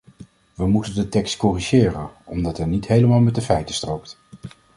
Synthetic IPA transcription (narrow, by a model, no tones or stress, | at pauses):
ʋəmutəndətɛkstkɔriʒɪːrənɔmdɑtɦɛnitɦejləmaːlˠmɛt̚dəfɛjtəstrowk̚t